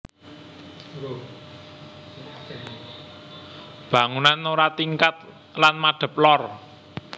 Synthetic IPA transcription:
b̥ä̤ŋunanoɾat̪iŋkat̪̚ | lanmaɖ̥ə̤p̚lɔr

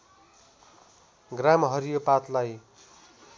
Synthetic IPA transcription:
ɡramɦʌɾijopat̪laj

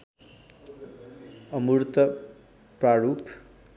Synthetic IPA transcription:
ʌmuɾt̪ʌ | praɾupʰ

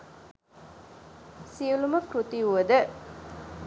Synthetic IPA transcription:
siuluməpɾut̪iuʋəd̪ə

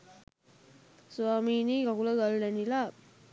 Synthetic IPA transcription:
suʋaːmiːniːkɐkulɐɡɐlːɐnilaː

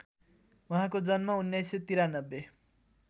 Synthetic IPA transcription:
uɦãkod͡zʌnmaunːjʌjset̪iɾanʌbːe

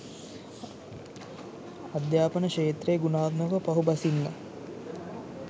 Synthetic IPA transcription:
ad̪jaːpənəʃeːt̪rejːɡunaːd̪məʋəpɐɦubɐsinːa̰

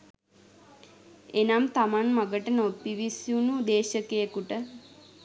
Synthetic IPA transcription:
enamt̪amanmaɡəʈənopːiʋisjunud̪eːʃəkejəkuʈə

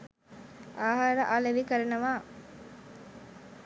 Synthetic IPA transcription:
aːɦaɾəʔaːleʋikəɾenəʋaː

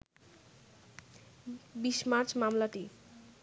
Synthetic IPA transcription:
biʃmaɾt͡ɕmamlaʈi

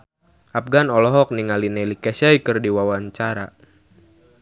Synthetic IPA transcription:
ʔap̚ɡanɔlɔɦɔk̚niŋalinɛlikɛsajkɨrdiwawaɲt͡ʃaɾa

